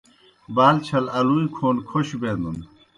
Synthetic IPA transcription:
baːlt͡ɕʰɐlɐluikʰoːnkʰoɕbeːnun

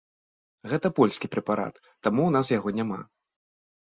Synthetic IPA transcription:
ɣɛt̪ɐpɔlʲsʲkʲipɾʲɛpaɾa̰t̪ːamun̪asjaɣɔnʲama̰

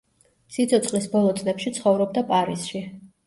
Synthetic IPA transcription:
sit̪sʰɔt̪sʰʼχʼlisbɔlˠɔt̪sʼnɛpʃit̪sʰχɔvɾɔb̚d̪apʼaɾisʃi

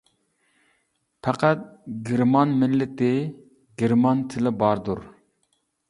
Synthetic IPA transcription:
pʰɑqʰæt̪̚ɡʲɪɾmɑnmɪlːɪt̪ɪ | ɡʲeɾmɑnt̪ʰɪlɪbɑɾd̪uɾ

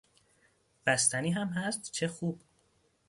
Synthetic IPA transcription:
b̥æst̪æniːɦæmɦæst̪t͡ʃʰexuːb̥

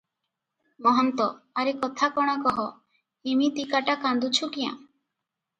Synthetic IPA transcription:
mɔɦɔnt̪ɔaɾekɔt̪ʰakɔɽ̃akɔɦɔ | imit̪ikaʈakand̪ut͡ʃʰukijã̰

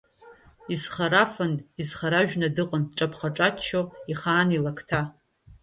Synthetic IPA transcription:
izχaɾafanizχaɾaʒᶣnadɨqʼənʈ͡ʂʼapʰχaʈ͡ʂʼatt͡ʃʰːoiχaːnilakʰtʰa

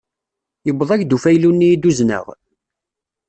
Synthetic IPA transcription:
jəbːəðˤæʝd̪ufæjlunːijid̪uznə̰ʁ

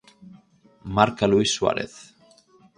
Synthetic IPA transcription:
maɾkaluisːwa̰ɾɪ̰θ

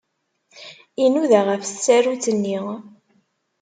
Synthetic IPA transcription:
inuðaʁəft͡sːæɾut͡sːənːi

